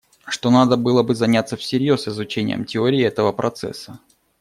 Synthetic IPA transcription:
ʂt̪o̞nad̪əbɨlˠəbɨzɐnʲat̪sːəfsʲɪɾʲjo̞sɪzʊt͡ɕenʲɪ̰jə̰mtʲɪoɾʲɪːɛt̪əvəpɾʔɐt̪sɛ̰sːə

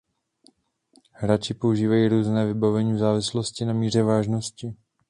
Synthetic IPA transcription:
hɾat͡ʃɪpo̞uʒiːvajiːɾuːznɛːvɪbavɛɲiːvzaːvɪsloscɪnamiːr̝ɛvaːʒnoscɪ

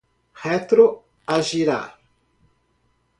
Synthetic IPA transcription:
hɛt̪ɾo | aʒiɾa̰ɾ

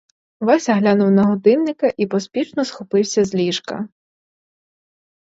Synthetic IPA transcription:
ʋɑsʲɐɦlʲanʊwnɐɦɔd̪ɪnːɪkɐʔipɔspʲit͡ʃnɔsxɔpɪwsʲɐzlʲiʃkɐ̰

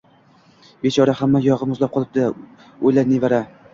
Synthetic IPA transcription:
bet͡ʃʰɒɾahamːajɒʁɨmʊzlap̚qʰɒlˠɪp̚d̪ɪ | ojlaɾnevaɾa

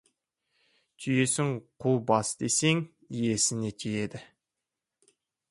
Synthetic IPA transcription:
t̪ʲʰyje̞sɪŋqʰuwbɑsd̪̥ḛseŋ | ije̞sɪnet̪ʲʰeje̞d̪ɪ

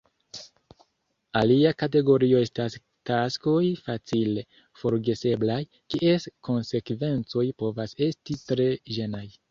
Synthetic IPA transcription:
aliakate̞ɡo̞ɾio̞e̞stas | kasko̞jfat͡sile | fo̞ɾɡe̞se̞blaj | kiʔe̞sko̞nse̞kve̞nt͡so̞jpo̞vase̞stitɾe̞ʒe̞naj

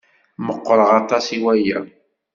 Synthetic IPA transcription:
məqːɾˤəʁɑt̪ˤɑsiwæjə

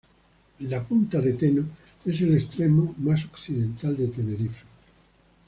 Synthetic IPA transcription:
lapunt̪aðet̪eno | es̬elest̪ɾemomasokθiðẽnt̪ald̪et̪eneɾife̥

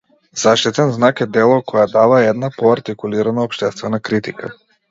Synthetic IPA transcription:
z̥aʃt̪it̪ɛnznakɛd̪ɛlˠɔkɔjad̪avaɛd̪napɔaɾt̪ikuliɾanaɔpʃt̪ɛst̪vɛnakɾit̪ika̰

